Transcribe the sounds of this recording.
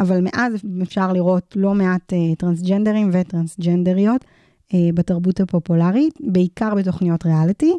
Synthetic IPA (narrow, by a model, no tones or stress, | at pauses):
avalmeʔazefʃaʁliʁo̞tlo̞meatetʁansd͡ʒendeʁimvetʁansd͡ʒendeʁijo̞t | ebataʁbuthapo̞pulaʁibeikaʁbet̬o̞χnijo̞tʁealiti